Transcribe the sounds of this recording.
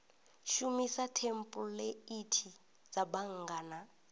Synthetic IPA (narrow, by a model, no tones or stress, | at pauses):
ʃumisatʰempʼulɛitʰi | d͡zaɓaŋɡaːna